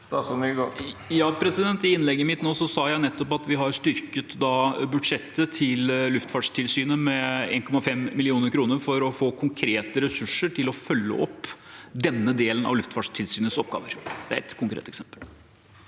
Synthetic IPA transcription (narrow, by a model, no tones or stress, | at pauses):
ɔmɡjɑːpʰɾɛsɪd̪ɛnt̪ɪɪnlɛɡːəmɪt̪noːsɔsɑːjæɪnɛt̪ːɔpɑt̪ʋɪɦɑɾst̪ʏɾkət̪d̪ɑːbʉd̪ʂɛt̪ːət̪ʰɪllʉft̪fɑːɖʂt̪ʰɪlsyːnəmɛḛːnkʰɔmɑfɛmːɪlɪuːnəɾkʰɾuːnəɾfɔɾɔfoːkʰʊŋkʰɾeːt̪əɾɛsʉʂəʈɪlɔfœlːə̰ɔpːd̪ɛnːəd̪eːlənɑ̰ʋlʉft̪fɑːɖʂt̪ʰɪlsyːnəsɔp̚ːɡɑ̰ːʋəɾd̪ɛæɾɛ̰t̪kʰʊŋkɾḛːt̪ɛksɛmpəl